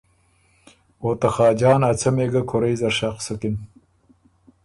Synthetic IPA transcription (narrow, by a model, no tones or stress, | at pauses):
oːt̪ɐxɑːd͡ʒɑːnɐt͡sʰɐmeːɡɐkʰoɾɐjzɐɾɕɑːqsɐkin